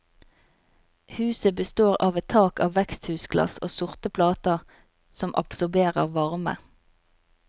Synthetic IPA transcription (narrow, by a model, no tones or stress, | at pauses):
hʉːsəbəst̪oːʁɑːʋɛt̪ʰɑːkɑːʋʋɛkst̪hʉːsɡlɑ̰soːsʊʁt̪əpʰlɑːt̪əʁ | sɔmʔɑ̰psʊʁbeːʁəʁʋɑʁmə̰